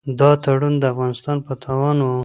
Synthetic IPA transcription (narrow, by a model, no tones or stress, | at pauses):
d̪ɑt̪aɽund̪əafɣɑnɪst̪ɑnpət̪ʰɑwɑnwu